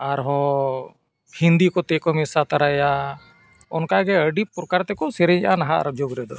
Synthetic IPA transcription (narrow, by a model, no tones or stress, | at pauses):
aɾɦɔ̃ | hind̪ikɔt̪ɛkɔmɛsat̪aɾaja | ɔnkaɡɛəɖipuɾkaɾt̪ɛkɔsɛɾɛʔanaɦaʔa̰ɾb̚d͡ʒoɡɾɛd̪ɔ